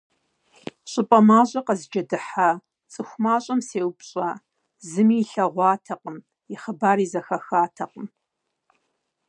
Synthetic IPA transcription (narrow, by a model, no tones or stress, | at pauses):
ɕʷʼʊpʼɐmaːʑʷʼɐqɐzd͡ʒɐdɨħa | t͡sʼɨxʷmaːɕʼɐmseːwpɕʼa | zɨmiːɬɐʁʷɑːtʰɐqʼəm | ɪχəbaːɾiːzɐxɐxaːtʰɐqʼəm